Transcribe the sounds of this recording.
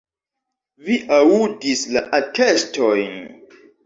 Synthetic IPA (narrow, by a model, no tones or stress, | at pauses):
viʔaudisla̰ʔatʰestojn